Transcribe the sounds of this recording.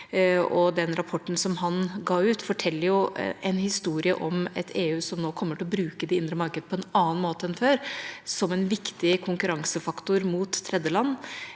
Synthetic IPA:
ɔd̪ɛnɾɑpʰɔʈːn̩sɔmɦɑnɡɑːʉːt̪fɔʈʰɛlːəɾjʊɛɪnhɪst̪uːɾɪə̰ʔɔmɛt̪ʰeːʉːsɔmnoːkʰɔmːəʈʰɪlɔbɾʉːkəd̪ɛɪnd̪ɾəmɑɾkəd̪əpʰɔɛnɑːnmoːt̪əɛnføːɾsɔmɛnʋɪkt̪ɪkʰʊŋkʉɾɑŋsəfɑkt̪ʊɾmuːt̪ʰːɾɛd̪jəlɑnː

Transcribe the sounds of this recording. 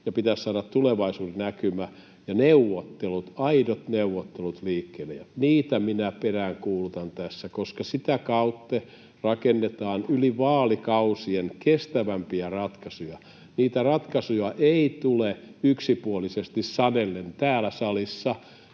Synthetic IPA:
jɑpit̪æssɑːɾɑt̪t̪uleʋɑisuːɾenækymæ | jɑneuʋːot̪ːelut̪ɑidot̪neuʋot̪ːelut̪liːkːeːlḛjɑniːt̪æminæperæːŋkuːlut̪ɑnt̪æsːækoskɑsit̪ækɑut̪ːe | rɑkenːet̪ɑːnyliʋɑːlikɑusienkest̪æʋæmpiærɑt̪kɑsujɑ | niːt̪ærɑt̪kɑsujɑʔeit̪uleyksipuolisest̪issɑnelːent̪æːlæsɑlisːɑ

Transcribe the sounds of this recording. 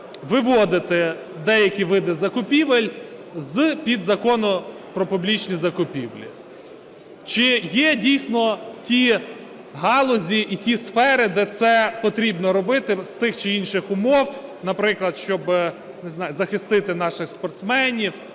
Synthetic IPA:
ʋɪʋɔd̪ɪt̪ɪ | d̪ɛjɐkʲiʋɪd̪ɪzɐkʊpʲiʋelʲ | zpʲid̪zɐkɔnʊ | pɾɔpʊblʲit͡ʃnʲizɐkʊpʲiwlʲḭ | t͡ʃɪjɛdʲijsʲnɔtʲi | ɦɑlˠɔzʲiʔitʲisfɛɾɪd̪ɛt̪sɛpɔt̪ɾʲibnɔɾɔbɪt̪ɪst̪ɪxt͡ʃɪinʃɪxʊmɔwnɐpɾɪklˠɐd̪ʃt͡ʃɔb | nɪznɑjʊzɐxɪst̪ɪt̪ɪn̪ɑʃɪxspɔrt̪smɛnʲiw

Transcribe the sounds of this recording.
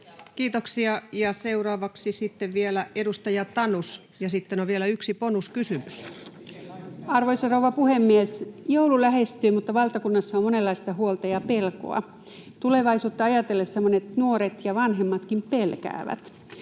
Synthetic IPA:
kiːt̪oksiɑjɑseurɑːʋɑksisit̪ːeʋʋielæedust̪ɑjɑt̪ɑnus | jɑsit̪ːenoʋʋielæyksiponuskysymys | ɑrʋoisɑrouʋɑpuhemːiesjoululæhest̪yːmut̪ːɑʋɑlt̪ɑkunːɑsːɑommonelːɑist̪ɑhuolt̪ɑjɑpelko̰ɑ̰ | t̪uleʋɑisuːt̪ːɑɑjɑt̪elːessemːonet̪nuoɾet̪jɑʋɑnɦemːɑt̪kimpelkæ̰ːʋæ̰t̪

